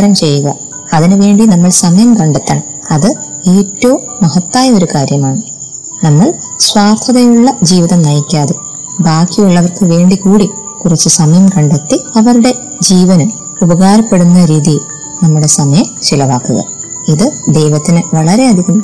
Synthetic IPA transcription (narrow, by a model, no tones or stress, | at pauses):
ɾɐmt͡ɕe̞jːuɣɐ | ɐðinɨʋe̞ːɳɖinɐmːɐɭsɐmɐjɐmkɐɳɖet̪ːɐːɳ | ɐðɨeːtːoːmːɐɦɐt̪ːaːjɐo̞ɾukaːɾjɐmaːɳɨ | nɐmːɐɭ | swaːt̪ʰɐðɐjuɭːɐd͡ʑiːʋiðɐmnɐjikʲːaːðe | baːkːijuɭːɐʋɐrkɨʋe̞ːɳɖikuːɽi | kurɐt͡ɕːɨsɐmɐjɐmkɐɳɖet̪ːiɐʋɐɾuɽe̞ | d͡ʑiːʋɐnɐm | ubɐɣaːɾɐpːe̞ɽunːɐɾiːðijl | nɐmːuɽe̞sɐmɐjɐmt͡ɕilɐʋaːkːuɣɐ̰ | iðɨd̪ejʋɐt̪ːinɨʋɐɭɐɾe̞ɐd̪ʱikʲːum